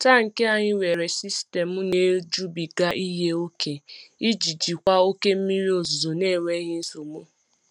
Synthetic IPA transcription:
ta˦ŋ̩˨ke˦a˨ɲɪ˦we˨ɾe˨si˦ste˨mʊ˦ne˦d͡ʒu˦bi˨ɡa˦ʔi˦ɦe˦o˦kʰe˨i˦d͡ʒi˨d͡ʒi˨kʷa˦o˦ke˦m̩˦mi˦ɾi˦o˨zzo˨ne˦˨wʷe˦ɣɪ˦n̩˦su˨mʊ˦

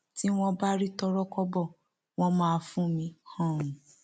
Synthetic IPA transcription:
ti˦w̃ɔ̃˧ba˦ɾi˦tɔ˧ɾɔ˦kɔ˧bɔ˦˨ | w̃ɔ̃˧mãː˦˧fũ˦mĩ˧hã˦˨ɾũ˨

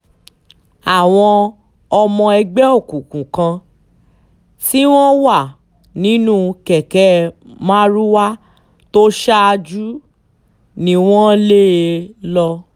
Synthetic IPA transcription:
a˨w̃ɔ̃˧ | ɔ˧mɔ̃˧ɛ˧ɡ͡bɛ˦o˦˨kũ˨kũ˨kã˧ | si˦w̃ɔ̃˦wa˦˨ | nĩ˨˦nũ˦kɛ˨kɛ˨˦mã˦ɾu˦wa˦ | to˦ʃa˦a˧d͡ʒu˦ | nĩ˧w̃ɔ̃˦le˦˨˧lɔ˧

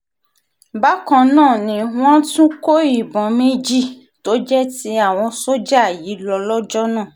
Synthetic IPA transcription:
ba˦kã˧nãː˦˨nĩ˨˧w̃ɔ̃˦tũ˦ko˦i˦˨bɔ̃˨˦me˦d͡ʒi˦˨ | to˨˦d͡ʒɛ˦ti˧˦a˦˨w̃ɔ̃˧so˦d͡ʒa˦˨ji˨˦lɔ˧lɔ˦d͡ʒɔ˦nã˦˨

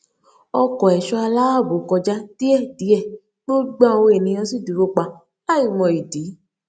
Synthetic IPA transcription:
ɔ˧kɔ˨ɛ˨ʃɔ˧a˧la˦a˦˨bo˨˦˨kɔ˧d͡ʒa˦ti˦ɛ˦˨di˨˦ɛ˦˨ | bo˦ɡ͡bã˦˧wo˧e˨nĩ˧j̃ã˧si˦˨du˨ɾo˧k͡pa˧ | a˦˨i˦˨mɔ̃˨i˨di˨˦

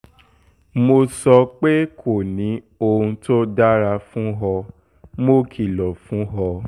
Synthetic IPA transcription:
mo˧sɔ˧k͡pe˦kʰo˦˨nĩ˨˦ | o˧ɾũ˧to˦da˦ɾa˧fũ˦ɦɔ˧ | mo˦˨kʰi˨lɔ˨fũ˦ɦɔ˧

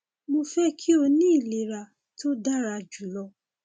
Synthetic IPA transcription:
mo˧fɛ˦kʰi˦o˧nĩ˦i˦˨le˨ɾa˨ | tʰo˦da˦ɾa˧d͡ʒu˨lɔ˧

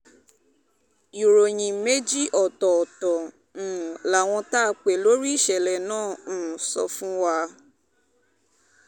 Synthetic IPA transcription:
ju˨ɾo˨j̃ĩ˧me˦d͡ʒi˦ʔɔ˨tɔ˨tɔ̃˨ | la˨w̃ɔ̃˧ta˦˧k͡pe˨lo˦ɾi˦˨ʃɛ˨lɛ˨nãː˦˨sɔ̰˧fũ˦wa˧

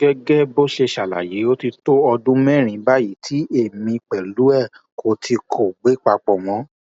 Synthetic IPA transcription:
ɡɛ˦ɡɛ˦bo˦ʃe˧ʃa˨la̰˨je˨˦o˦ti˧to˦ɔ˧dũ˦mɛ̃˦˨ɾ̃ĩ˨˦ba˦ji˨˦tʰi˦e˦˨mĩ˧k͡pɛ˨lu˨˦ɛ˦˨ | kʰo˨tʰi˧kʰo˨ɡ͡be˨˦k͡pa˧k͡pɔ˨w̃ɔ̃˨˦

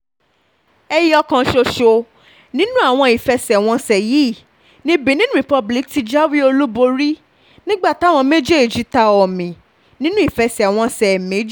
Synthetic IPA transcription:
ɛ˧ji˦ɔ˧kã˧ʃo˧ʃo˧ | nĩ˦nũ˦a˦˨w̃ɔ̃˧i˨fɛ˧sɛ˨w̃ɔ̃˧sɛ˨ji˨˦˨ | nĩ˨˦bi˨˦nĩ˦ɾi˨pɔ˧bli˨˦kti˧d͡ʒa˦wi˦o˧lu˦bo˧ɾi˦ | nĩ˦ɡ͡ba˦˨ta˨˦w̃ɔ̃˧me˦d͡ʒe˦e˨d͡ʒi˨˦ta˧ɔ˨mĩ˨ | nĩ˦nũ˦i˦˨fɛ˧sɛ˨a˨w̃ɔ̃˧sɛ˨me˨˦d͡ʒi˦

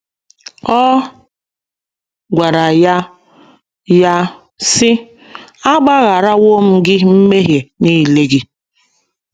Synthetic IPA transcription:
ɔ˦ | ɡʷa˨ɾa˨ja˦ | ja˦ | sɪ˦ | a˦ɡ͡ba˦ɣa˨ɾa˦wo˦m̩˦ɡɪ˦m̩˦me˦ɦje˨ni˦˨le˦ɡi˦

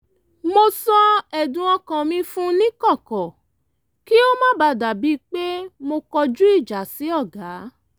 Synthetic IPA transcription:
mo˧sɔ˧ɛ˨dũ˨˦ɔ˧kã˧mĩ˦fũ˦nĩ˦kɔ˦˨kɔ̃˨ | ki˦o˦mã˦ba˧da˨bi˨˦k͡pe˦mo˧kɔ˧d͡ʒu˦i˦˨d͡ʒa˨si˨˦ɔ˦˨ɡa˨˦

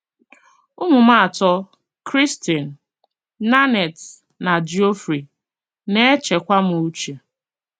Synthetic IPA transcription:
ʊ˦mʊ˨ma˦a˨tɔ˦ | kɾi˦sti˨n̩ː˨ | a˦ne˨t | na˨d͡ʒi˨o˦fɾi˨ | ne˦e˦t͡ʃe˨kʷa˦m˨u˦t͡ʃe˨

